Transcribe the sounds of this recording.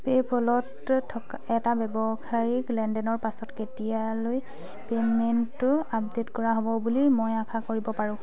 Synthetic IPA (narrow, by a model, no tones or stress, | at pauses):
pepɔlɔtʰː | ɔk | ɛtabɛbɔkʰaɹiklɛndɛnɔɹpasɔtketijaloj | pementːʊapdetkɔɹaɦɔbɔbulimojakʰakoɹibɔpaɹʊ̃